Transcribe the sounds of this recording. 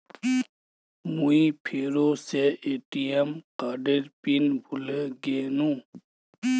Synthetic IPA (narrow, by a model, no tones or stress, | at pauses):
muipʰeːɾoseʔeːʈijemqaːɖeɾpinbʱuleɡenũ